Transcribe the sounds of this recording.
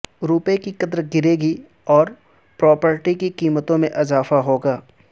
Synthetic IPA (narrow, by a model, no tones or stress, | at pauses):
ɾuːpẽkikɐd̪ɾɡɪɾeːɡi | ɔːɾ | pɾɔːpəɾʈikikiːmət̪õmẽʔɪzaːfaɦoːɡaː